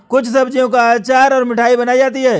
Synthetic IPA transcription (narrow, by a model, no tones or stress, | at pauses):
kʊt͡ʃʰsɐbd͡ʒijõkaaːt͡ʃaːɾɔːɾmɪʈʰaːibɐnaːid͡ʒaːt̪iɦɛː